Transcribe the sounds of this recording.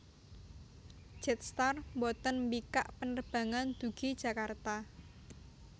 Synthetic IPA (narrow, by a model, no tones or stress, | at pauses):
ʒ̥ɛt̪̚st̪armbɔt̪ənmbikaʔpənərb̥ä̤ŋand̪̥ṳɡ̥id̥ʒ̥ä̤kart̪a